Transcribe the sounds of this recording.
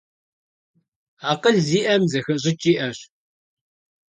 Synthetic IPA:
aqəɮziːʔɐmzɐxɨɕ̬ʼɪt͡ʃʼiʔɐɕ

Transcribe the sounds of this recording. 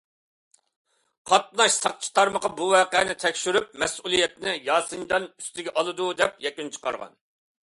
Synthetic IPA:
qʰɑt̪̚nɑʃsɑq̚t͡ʃʰi̥t̪ʰɑɾməqɑbuwɛːqɛnɪt̪ʰɛkʲʃyɾyp̚mɛsʔulˠijɛt̪nɪjɑːsɨnd͡ʒ̪ɑnyst̪ɪɡʲɛʔɑlˠɨd̪ud̪ɛpjɛkʲynt͡ʃʰə̥qɑ̰ɾʁɑ̰n

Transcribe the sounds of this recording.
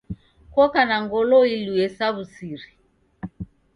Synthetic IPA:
kwɔkanaŋɡɔlɔiluɛsaβusiɾi

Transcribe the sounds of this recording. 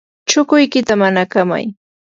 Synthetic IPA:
t͡ʃʊkʊjkɪt̪amanakama̰j

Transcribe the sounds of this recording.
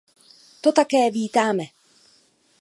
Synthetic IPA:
t̪ot̪akɛːviːt̪aːmɛ

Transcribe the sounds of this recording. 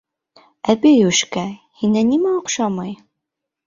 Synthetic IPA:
æbijʉʃkæhinænimæoqʃɑmɑj

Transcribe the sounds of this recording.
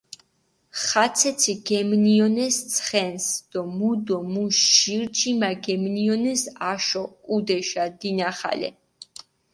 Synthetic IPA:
χat̪sʰɛt̪sʰiɡɛmniɔnɛst̪sʰχɛnsd̪̥ɔmud̪ɔmuʃʃiɾt͡ʃʰimaɡɛmniɔnɛsaʃɔkʼud̪ɛʃad̪inaχa̰lɛ̰

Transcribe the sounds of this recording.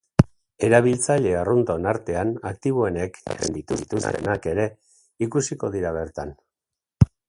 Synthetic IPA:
e̞ɾaβ̞ilt͡saʎe̞arunt̪o̞naɾt̪e̞anak̚t̪iβ̞oe̞ne̞kḛnd̪it̪uðit̪ust̪e̞̰nake̞ɾe̞ | ikusiko̞ðiɾaβ̞e̞ɾt̪an

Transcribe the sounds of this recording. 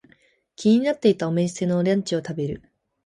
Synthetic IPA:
kʲiɲ̟inat̪ːe̞it̪aome̞ɕi̥se̞no̞ɾʲãɲ̟t͡ɕio̞t̪abe̞ɾɯ̟̰

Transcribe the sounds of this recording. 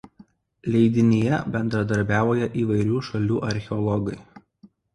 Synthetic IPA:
lʲɛɪd̪ʲɪnʲɪjɛbʲɛnd̪ɾɐd̪ɐɾʲbʲæːʋoːjɛʔiːʋɐɪɾʲuːʃɐlʲuːʔɐɾʲxʲɛɔlˠɔɡɐɪ

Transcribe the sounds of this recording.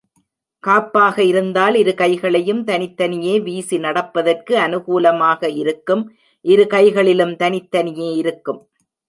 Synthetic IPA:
kaːpːaːɣɐɪɾɯnd̪aːlɪɾɯkɐɪɣɐɭɐjɯmt̪ɐnɪt̪ːɐnɪjeːʋiːsinɐɽɐpːɐðɐrkɯɐnɯɣuːlɐmaːɣɐɪɾɯkːɯm | ʔɪɾɯkɐɪɣɐɭɪlɯmt̪ɐnɪt̪ːɐnɪjeːɪɾɯkːɯm

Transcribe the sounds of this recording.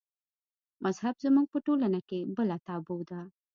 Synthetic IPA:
mazhabzəmuɡ̚pəʈolanakebəlat̪ɑbowd̪a

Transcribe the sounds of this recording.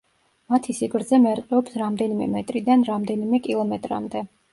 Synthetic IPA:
mat̪ʰisiɡɾd̪zɛmɛɾqʼɛɔpsɾamd̪ɛnimɛ̰mɛt̪ʼɾid̪anɾamd̪ɛnimɛkʼilˠɔmɛt̪ʼɾa̰md̪ɛ

